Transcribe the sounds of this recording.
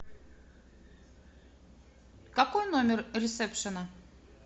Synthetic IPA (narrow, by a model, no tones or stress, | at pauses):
kakojnomʲɪrɾʲɪt̪sɛpʂənə